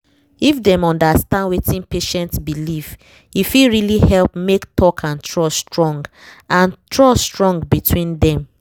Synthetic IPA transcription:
ifdɛ̃mɔ̃ndastãndwetĩnpeʃɛ̃ntsbilif | ifiɹilihɛlpmektʰɔkʰãntʰɹɔstɹɔ̃ŋɡ | ãntʰɹɔstɹɔ̃ŋɡbitʰwĩndɛ̃m

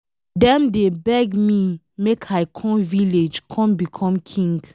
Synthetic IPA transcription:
dɛ̃mdebɛɡmi | mekʰajkʰɔ̃mviled͡ʒkʰɔ̃mbikʰɔ̃mkʰĩŋɡ

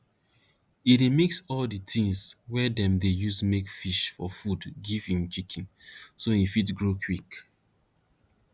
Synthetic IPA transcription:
iɾimiksɔlditʰĩŋswɛdɛ̃mdejusmekfiʃfɔfudɡivĩŋt͡ʃikʰĩnsoifitɡɹokʰwik

